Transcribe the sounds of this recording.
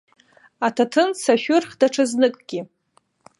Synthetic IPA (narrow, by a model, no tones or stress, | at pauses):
atʰatʰɨnsaʃʷᶣʊrχdaʈ͡ʂʰaznɨkʼɡ̥ʲɪ